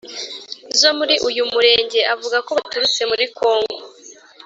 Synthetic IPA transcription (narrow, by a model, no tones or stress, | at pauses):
zo̞muɾiʔujumuɾe̞ːɲɟe̞ʔavuɡako̞βatuɾut͡se̞muɾiko̞ːŋɡo̞